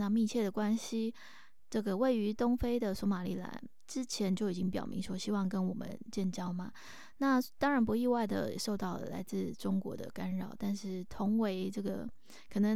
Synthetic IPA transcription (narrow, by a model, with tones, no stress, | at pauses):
na˥˧mi˥˧t͡ɕʰjɛ˥˩d̪ə˩kwa˥nɕi˧ | ʈ͡ʂɤ˥˩ɡə˩we˥˩ɪy˧˥t̪ʊ˥ŋfe˥ɪd̪ə˨swɔ˧˥ma˨˩li˥˩la̰˧˥n | ʈ͡ʂɻ̩˥t͡ɕʰjɛ˧˥nt͡ɕjo˥˩ʊi˨˩t͡ɕi˥ŋpjɑ̰˨˩ʊmḭ˧˥ŋʂwɔ˥ɕi˥wɑ˥˩ŋkə˦˥nwɔ˨˩mə̰˦nt͡ɕjɛ˥˩nt͡ɕɑ˥ʊmɐ˨ | na˥˩t̪ɑ˥ŋɻa˧˥npu˧˥i˥˧wa˥˩ɪd̪ə̰˩˨ʂo˥˧ʊt̪ɑ˥˩ʊlə̰˨˩la̰˧˥ɪt͡sɹ̩˥˩ʈ͡ʂʊ˥ŋkwɔ̰˧˥d̪ə̰˧ka˥nɻɑ̰˨˩ʊt̪a˥˧nʂɻ̩˥˩t̪ʰʊ˧˥ŋwe˧˥ɪʈ͡ʂɤ˥˩ɡə˩ | kʰɤ˨˩nɤ˧˥ŋ